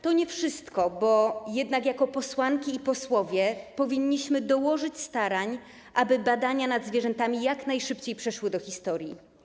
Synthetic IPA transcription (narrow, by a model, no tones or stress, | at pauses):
t̪ɔɲɛfʂɘst̪kɔbɔjɛd̪nakjakɔpɔswaŋkʲiːpɔswɔvʲjɛpɔvʲiɲːiɕmɘd̪ɔwɔʐɘt͡ɕst̪aɾaɲ | ʔabɘbad̪aɲanad̪zvʲjɛʐɛnt̪amʲijaknajʂɘpt͡ɕejpʂɛʂwɘd̪ɔxʲist̪ɔɾʲji